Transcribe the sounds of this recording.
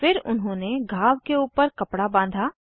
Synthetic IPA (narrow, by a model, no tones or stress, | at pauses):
fɪɾʊnɦõːneɡʱaːʋkeuːpəɾkɐpɽabãːnd̪ʱaː